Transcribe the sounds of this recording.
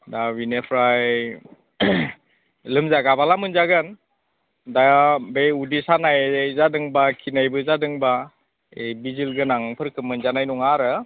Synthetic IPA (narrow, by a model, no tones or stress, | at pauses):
dawinepʰɾaj | lɯmzaɡabalamɯnzaɡɯn | dabeudisanajzadɯŋbakʰinajbɯzadɯŋba | ejbizilɡɯnaŋpʰɯɾkʰɯmːɯnzanajnuŋaɾɯ